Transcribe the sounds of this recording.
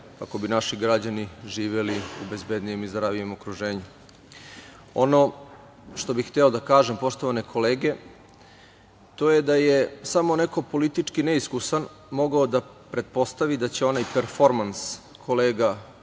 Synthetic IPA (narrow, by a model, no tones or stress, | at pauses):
kako̞binaʃiɡɾad͡ʑaniʒiːʋeliṵbe̞zbe̞d̪nijemizɾaʋijemokɾuʒeːɲu | o̞no̞ | ʃt̪o̞bixt̪eod̪akaːʒempo̞ʂt̪o̞ʋane̞kʰo̞leːɡe̞ | t̪o̞jed̪ajesamo̞neko̞po̞lit̪it͡ʂkineiskusan | mo̞ɡaod̪apɾe̞t̪̚po̞st̪aʋid̪at͡ɕeo̞najpeɾfo̞ɾmans | kʰo̞leːɡa